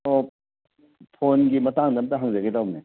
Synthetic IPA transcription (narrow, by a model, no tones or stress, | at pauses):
o | pʰonɡimɐtaŋdɐmtɐɦaŋzɐɡedawne